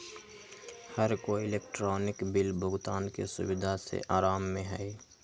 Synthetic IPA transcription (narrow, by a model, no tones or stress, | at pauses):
həɾkoɪleːkʈɾɔːnɪkbɪlbʱʊɡt̪aːnkḛsʊ̰wɪd̪ʱasḛʔaːɾaːmːẽɦɛɛ